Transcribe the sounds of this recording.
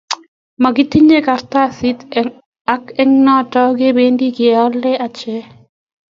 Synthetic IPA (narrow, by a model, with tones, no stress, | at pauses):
ma˨ɡɪ˦t̪i˦ɲe˦ka˨rt̪a˦si˦t̪ | a˦kɛ˦ŋnɔ˦tɔ˦ɡe˦be˦ndi˦ɡɪɔ˦lɛ˦a˨t͡ʃɛ˦